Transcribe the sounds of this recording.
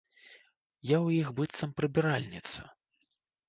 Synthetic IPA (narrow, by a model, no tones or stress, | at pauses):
jawjixbɨt̪sɐmpɾɨbʲiɾalʲnʲit̪sɐ̰